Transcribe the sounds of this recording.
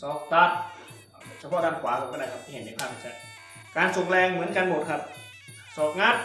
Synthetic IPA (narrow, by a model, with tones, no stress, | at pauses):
sɔː˨˩k̚t̪a˧˥˩t̪̚ | t͡ɕʰa˧ɔ˧˨daː˧˩kʰwaː˨˦kʰa˧˩kɔ˧˨aː˧˩jkʰa˧p̪̚ʰi˧˩˨e˨˦nda˧˩kʰaː˧˩iː˧˩t͡ɕa˧˩ | kaː˨˧nso˨˩ŋ̚lɛː˧ŋmɯ˩˦ə˦nka˧nbo˨˩t̪̚kʰa˧˩p̚ | sɔː˨˩k̚ŋaː˥˩